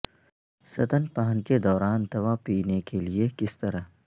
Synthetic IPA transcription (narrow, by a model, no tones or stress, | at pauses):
sɐt̪ənpaːənked̪ɔːɾaːnt̪ɐʋapiːnekeliekɪst̪ɐɾəɦ